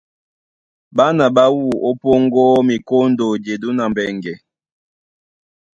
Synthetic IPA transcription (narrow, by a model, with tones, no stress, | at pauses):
ba˦na˨ba˦wu˦˨o˦po˦ŋɡɔ˦mi˨ko˦n̩˦do˨d͡ʒe˨du˦na˨mbɛ˨ŋɡɛ˨